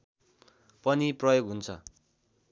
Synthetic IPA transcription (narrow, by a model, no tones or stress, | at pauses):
pʌniprʌjoɡɦunt͡sʰʌ̰